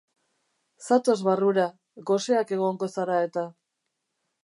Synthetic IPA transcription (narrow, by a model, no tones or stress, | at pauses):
sat̪o̞zβaruɾa | ɣo̞se̞ake̞ɣ̞o̞ŋɡo̞saɾae̞t̪a